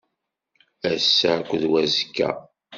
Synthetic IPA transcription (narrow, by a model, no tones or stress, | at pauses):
æsːækʷːðwæzkːæ̰